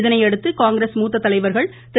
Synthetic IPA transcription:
ðɐnɐɪɛɽɯt̪ːɯkaːŋɡɾeːsmuːt̪ːɐt̪ːɐlɐɪʋɐɾɣɐɭ | t̪ɪ

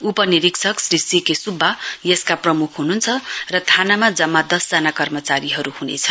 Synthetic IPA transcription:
upʌniɾiksʰʌksrisikesubʱːajeskaprʌmukʰɦununt͡sʰʌrʌt̪ʰanamad͡zʌmːad̪ʌsd͡zanakʌrmʌt͡saɾiɦʌɾuhunḛt͡sʰʌ

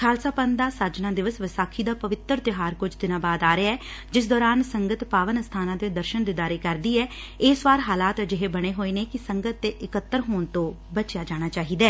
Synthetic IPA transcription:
kʰaːlsaːpənd̪aːsəɾd͡ʒnãːd̪ɪʋəsʋɪsaːkʰiːd̪aːpəʋɪt̪ːəɾt̪ɪɦaːɾkʊd͡ʒʰd̪ɪnãːbaːd̪aːɾeaɛː | d͡ʒɪs̬d̪ɔːɾaːnsəŋɡət̪paːʋənst̪ʰaːnãːt̪eːd̪əɾʃənd̪id̪aːɾeːkəɾd̪iːɛː | ɪːsʋaːɾɦaːlaːt̪d͡ʒɪɦeːbəɽ̃eːɦoːeːneːkɪsəŋɡət̪ːeːʔɪkət̪ːəɾɦoːɳt̪õː | bət͡ʃjaːd͡ʒaːɽ̃aːt͡ʃaːɦiːd̪ɛː

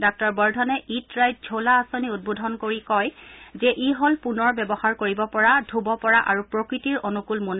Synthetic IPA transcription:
dak̚tɔɹbɔɹdʱɔnɛʔitɹaj̚d͡ʒʱolaːsoniud̚bodʱɔnkoɹikɔjzɛʔiɦɔlpunɔɹbɛbɔxaɹkoɹibɔpɔɹadʱubɔpɔɹaʔaɹupɹokɹitiɹonukulmun

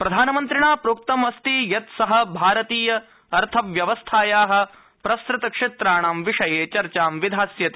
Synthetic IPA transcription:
pɾɐd̪ʱaːnɐmɐnt̪ɾiɳaːpɾuːk̚t̪ɐmɐst̪ijɐt̪sɐɦɐ̆bʱaːɾɐt̪iːjɐ | ɐɾt̪ʰɐʋjɐʋɐst̪ʰaːjaːɦɐ̆ | pɾɐsɾɪt̪ɐkʂet̪ɾaːɳaːmʋiʂɐjeːt͡ʃɐɾt͡ʃaːmʋid̪ʱaːsjɐt̪e

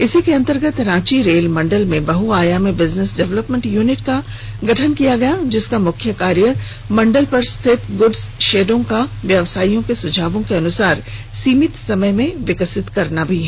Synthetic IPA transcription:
ɪsikeɐ̃nt̪əɾɡət̪ɾãːt͡ʃiɾeːlmɐ̃ɳɖəlmẽbɐɦuaːjamẽbɪznɪsɖɛʋləpmẽɳʈjuːnɪʈka | ɡɐʈʰənkijaɡɐjad͡ʒɪskamʊkʰjəkaːɾjə | mɐ̃ɳɖəlpɐɾst̪ʰɪt̪ɡʊɖsʃeːɖõkaʋjɐʋsaːijõkesʊd͡ʒʱaːʋõkeɐnʊsaːɾsiːmɪt̪sɐməjmẽʋɪkəsɪt̪kɐɾnabʱiɦɛː

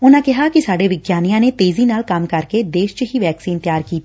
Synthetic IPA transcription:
ʊnãːkɪɦaːkisaːɖeːʋɪɡjaːnijãːneːt̪eːziːnaːlkəmkəɾked̪eːʃt͡ʃəɦiːʋɛːksiːnt̪jaːɾkiːt̪ː

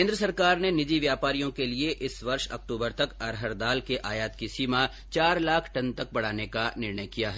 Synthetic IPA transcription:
ẽːnd̪ɾəsɐɾkaːɾnenɪd͡ʒiʋjaːpaːɾijõkelieʔɪsʋɐɾʃɐ̰k̚ʈuːbəɾt̪ɐkɐɾɦəɾd̪aːlkeʔaːjaːt̪kisiːma | t͡ʃaːɾlaːkʰʈɐnt̪ɐk̚bɐɽ̤aːnekanɪɾɳəjkijaɦɛ

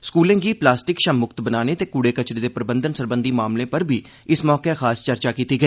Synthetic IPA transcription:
skuːlẽːɡiːplaːsʈɪkʃəmːʊkt̪bənaːneːt̪eːkuːɽeːkət͡ʃɾeːd̪eːpɾəbənd̪ənsəɾbənd̪iːmaːmlẽːpəɾbʱiː | ɪsmɔːkeːxʰaːst͡ʃəɾt͡ʃaːkiːt̪iːɡəiː

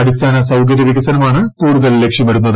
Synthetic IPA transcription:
ɐɽist̪ʰaːnɐsɐwkɐɾjɐɾiɣʲɐsɐnɐmaːɳɨkuːɽuðɐllekʂjɐmɐɾunːɐð

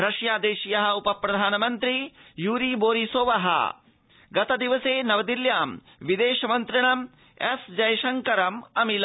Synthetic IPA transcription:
ɾɐʂjaːd̪eːʃijɐɦɐ̆upɐpɾɐd̪ʱaːnɐmɐnt̪ɾijuːɾiboːɾisoːʋɐɦɐ̰ | ɡɐt̪ɐd̪iʋɐseːnɐʋɐd̪iljaːm | ʋid̪eːʃɐmɐnt̪ɾiɳɐm | esd͡ʒɐjɐʃɐŋkɐɾɐmɐmil

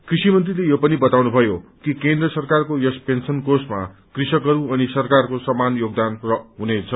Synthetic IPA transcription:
krisimʌnt̪rilejopʌnibʌt̪awnubʱʌjokikend̪rʌsʌrkarkojʌspensʌnkosma̰krisʌkʌɾuʌnisʌrkarkosʌmanjoɡ̚d̪anrʌɦunet͡sʰʌ

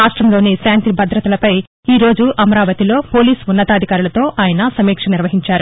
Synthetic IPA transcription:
aːʂʈɾɐmlo̞ːnisaːnt̪ibɐd̪ɾɐt̪ɐlɐpɐj | iːɾo̞ːd͡ʒuʔɐmɐɾaːʋɐt̪ilo̞ːpo̞ːliːsunːɐt̪aːd̪ʱikaːɾulɐt̪o̞ːʔaːjɐnɐsɐmiːkʂɐniɾʋɐɦiɲt͡ʃaːɾu

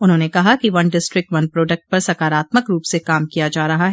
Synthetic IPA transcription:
ʊnɦõːnekɐɦakiʋɐ̃nɖɪsʈɾɪk̚ʈʋɐnpɾɔːɖək̚ʈ̚pɐɾsɐkaːɾaːt̪məkɾuːpsekaːmkijad͡ʒaːɾɐɦaɦɛː

